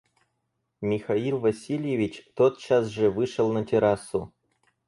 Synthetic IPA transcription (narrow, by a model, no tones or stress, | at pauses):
mʲixailˠvɐsʲilʲjevʲit͡ɕt̪ot̪̚t͡ɕas̬ʐĕvɨʂə̆lˠnət̪ʲeɾasu